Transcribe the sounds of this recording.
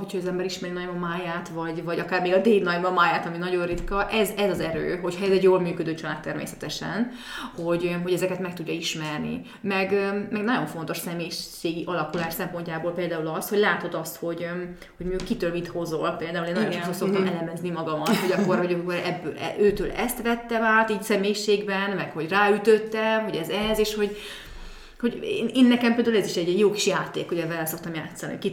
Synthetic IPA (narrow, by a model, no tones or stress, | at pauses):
ɦo̞cʰhɒɛzɛmbɛɾiʃmɛɾinɒɟmɒmaːjaːt̪vɒɟvɒɟɒkaːrmeːɡɒd̪eːlnɒjmɒmaːjaːt̪ɒminɒɟo̞nrit̪kɒʔɛzɛzɒzɛɾø̰ːɦo̞chɒɛzɛɟjoːlmyːkød̪øːt͡ʃɒlaːt̪ːɛrmḛːsɛ̥t̪ɛʃɛ̰n | ho̞ɟɦo̞ɟɛzɛkɛt̪mɛk̚t̪uɟːɒiʃmɛrnḭ | mɛɡmɛɡnɒɟo̞ɱfo̞nt̪o̞ʃsɛmeːjʃeːɡiʔɒlɒkulaːʃsɛmpo̞ɲcaːboːlpeːld̪aːulɒst̪ho̞ɟlaːt̪o̞d̪ɒst̪ho̞ɟ | ho̞ɟmikkːit̪ølmit̪ho̞zolpeːld̪aːuleːnːɒot̪olso̞kt̪ɒmɛlɛmɛznimɒɡɒmɒt̪ho̞ɟɒkːoroɟokoɾɛbːøːlɛ̰ʔøːt̪øːlɛst̪ʋɛt̪ːɛmaːt̪iːcsɛmeːjiʃeːɡbɛnmɛkho̞ɟraːyt̪øt̪ːɛmɦo̞ɟɛzɛzeːʃho̞ɟ | ho̞ɟeːneːnːɛkɛmpeːld̪aulɛziʃɛɟjoːkiʃjaːt̪eːkhoɟɛvɛlɛso̞k̚t̪ɒmjaːt̪sːɒnḭki